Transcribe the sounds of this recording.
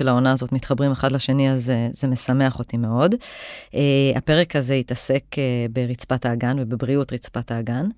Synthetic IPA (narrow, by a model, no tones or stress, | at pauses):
elao̞naːzo̞tmit̪χabʁimeχadlaʃe̞niazezeme̞same̞aχo̞time̞o̞dʔea̰pe̞ʁe̞kʰaze̞itase̞kebeʁit͡spataːɡanvebebʁiutʁit͡spataːɡan